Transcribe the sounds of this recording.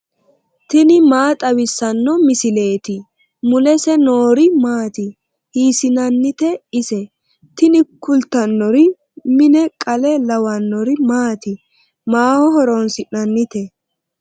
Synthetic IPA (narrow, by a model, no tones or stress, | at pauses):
t̪ɪnɪmaːt̪ʼɐwɪsːɐnːɔmɪsɪle̞ːt̪ɪ | mʊlɛsɛnoːɾɪmaːt̪ɪ | hiːsɪnɐnːɪt̪ɛɪsɛ | t̪ɪnɪkʊlt̪ːɐnːɔɾɪ | mɪnɛkʼɐlɛlɐwɐnːɔɾɪmaːt̪ɪ | maːhɔɦɔɾonsɪʔɐnːɪt̪ɛ